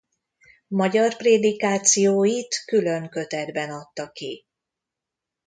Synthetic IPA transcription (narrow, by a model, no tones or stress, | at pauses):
mɒɟɒrpreːd̪ikaːt̪sijoːjit̪kylø̞ŋkø̞t̪ɛd̪bɛnɒt̪ːɒki